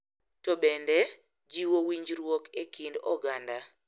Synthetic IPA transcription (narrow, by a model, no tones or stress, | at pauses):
tɔbɛndɛ | d͡ʒiwowiɲd͡ʒɾwɔkekʰindɔɡanda